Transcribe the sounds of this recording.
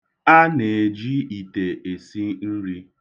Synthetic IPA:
a˦ne˨d͡ʒi˦i˨te˨ʔe˨si˦n̩˦ɾi˦

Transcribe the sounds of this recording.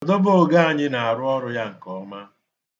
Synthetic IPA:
dɔ˦bo˦o˨ɡa˦a˨ɲɪ˦na˨a˨ɾʊ˦ɔ˦ɾʊ˦ja˦ŋ̩˨kɔ˦ma˦

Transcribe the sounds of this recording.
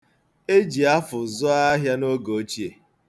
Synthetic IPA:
e˦d͡ʒi˨a˦fʊ˨zʊ˦a˦ɦja˦no˦ɡo˨o˦t͡ʃi˦e˨

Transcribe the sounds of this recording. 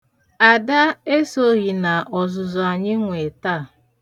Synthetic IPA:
a˨da˦e˦so˦ɣi˨na˨ʔɔ˨zʊ˨zʊ˨a˨ɲɪ˦ŋʷe˨ta˦˨

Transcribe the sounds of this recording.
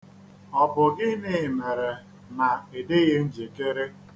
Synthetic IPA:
ɔ˨bʊ˨ɡɪ˦nɪ˦˨me˨ɾe˨ | na˨e˨dɪ˦ɣe˦n̩˦d͡ʒe˨ke˦ɾe˦

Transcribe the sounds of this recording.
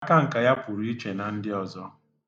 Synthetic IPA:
ka˦ŋ̩˨ka˨ja˦pʊ˨ɾi˦i˦t͡ʃe˨na˨n̩˦dɪ˦ɔ˨zɔ˦

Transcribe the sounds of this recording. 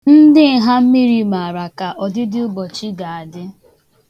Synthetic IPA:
n̩˦dɪ˦˨˦ɦa˦m̩˦mi˦ɾi˨ma˨ɾa˨ka˨ʔɔ˨dɪ˦dɪ˦ʊ˦ɡ͡bɔ˨t͡ʃi˦ɡa˨a˨dɪ˦

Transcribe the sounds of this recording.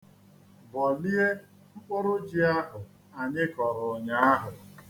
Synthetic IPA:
bɔ˨li˦e˦ | ŋ͡m̩˦k͡pʊ˦ɾʊ˦d͡ʒi˦a˦ɦʊ˨ | a˨ɲɪ˦kɔ˨ɾʊ˨ɲa˦a˦ɦʊ˨

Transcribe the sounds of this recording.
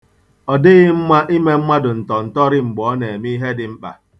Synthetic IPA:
ɔ˨dɪ˦ɣɪ˦ŋ͡m̩˦mʷa˦ʔi˦me˦m̩˦mʷa˦dʊ˨n̩˨tɔ˨n̩˨tɔ˦ɾɪ˦ŋ͡m̩˨ɡ͡bɔ˨˦ne˨mi˦ɦe˦dɪ˨m̩˦k͡pa̰˨

